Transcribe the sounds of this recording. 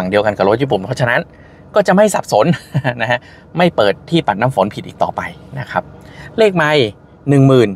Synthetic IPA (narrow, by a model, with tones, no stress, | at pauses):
a˨˩ŋdi˧əwka˧nka˨˩ɾo˦˥juː˦˥˩puː˨˩mpʰɔ˦˥t͡ɕʰa˧na˦˥n | kɔː˥˩t͡ɕa˨˩ʔma˥˩jsa˨˩p̚so˩˦n˥na˦˥kʰa˦˥ | ma˥˩jpɤː˨˩t̪ʰːiː˥˩pa˨˩t̪̚na˦˥˩mfo˩˦npʰi˨˩ʔiː˨˩k̚t̪ɔː˨˩pa˧jna˦˥kʰa˦˥p̚leː˥˩k̚ma˧j | nɯ˨˩ŋmɯː˨˩n